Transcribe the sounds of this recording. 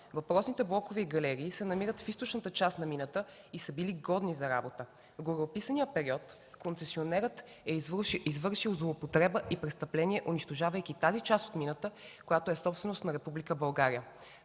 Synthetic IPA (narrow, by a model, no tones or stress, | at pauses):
vɐpɾɔsnit̪ɛblˠɔkoviɡɐlɛɾiːsɛnɐmiɾət̪fist̪ot͡ʃnət̪ət͡ʃast̪nɐminət̪ə | isəbiliɡɔd̪nizɐɾa̰bot̪ə | vɡoɾːpisənijəpɛɾiɔt̪ | kont̪sɛsionɛɾət̪ | ɛizvɤɾʃilˠzlˠoːpot̪ɾɛbəʔipɾɛst̪ɐplɛniɛʔʊniʃt̪oʒavəjk̟it̪azit͡ʃast̪o̥t̪minət̪əkojat̪oɛsɔpst̪vɛnost̪nɐɾɛpublikəbɐlˠɡaɾiə